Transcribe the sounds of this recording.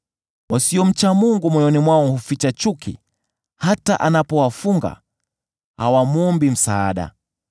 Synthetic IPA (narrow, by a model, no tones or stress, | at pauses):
wasiɔm̩t͡ʃamuŋɡumwɔjɔnimwaɔŋhufit͡ʃat͡ʃukʰḭ | hataʔanapɔwafuŋɡa̰ | hawamwɔmbim̩saːɗa̰